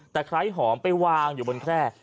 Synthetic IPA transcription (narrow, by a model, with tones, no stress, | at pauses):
t̪ɛː˨˩kʰɾa˦˥jɦɔː˩˦mpa˧jwaː˧ŋjuː˨˩bo˧nkʰɾɛː˥˩